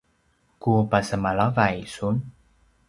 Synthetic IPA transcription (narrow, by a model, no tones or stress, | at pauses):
kupasəmalavajsun